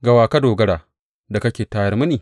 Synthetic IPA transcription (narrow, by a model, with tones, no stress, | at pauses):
ɡɐ˨waː˨kɐ˦doː˨ɡɐ˦ɽaː˨ | da˨kɐ˦kʲeː˨taː˦jɐ˦rmɐ˦niː˨